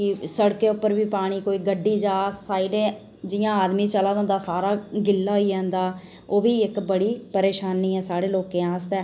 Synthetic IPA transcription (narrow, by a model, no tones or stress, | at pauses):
kɪsəɽkeːʊpːəɾbiːpaːɽ̃iːkoːiːɡəɖːiːd͡ʒaːsaːiːɖeː | d͡ʒɪjãːaːd̪miːt͡ʃəlaːd̪õːnd̪aːsaːɾaːɡɪlːaːɦoiːɛ̃ːnd̪aː | oːbiːɪkbəɽiːpəɾeːʃaːnːiːɛːsaːɽeːloːkẽːãːst̪ɛː